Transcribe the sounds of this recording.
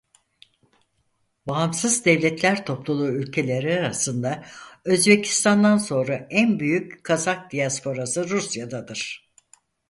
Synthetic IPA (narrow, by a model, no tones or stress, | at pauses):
baɦːmsɯzd̪ɛvlʲɛt̪lʲæɾt̪ʰo̞plˠulˠuːylʲcʰe̞lʲe̞ɾiaɾasɯnd̪aø̞zbecʰi̥st̪ʰand̪anso̞nɾaʔænbyjyckʰːazak̚d̪ijaspʰo̞ɾasɯɾusjad̪ad̪ɯɾ̥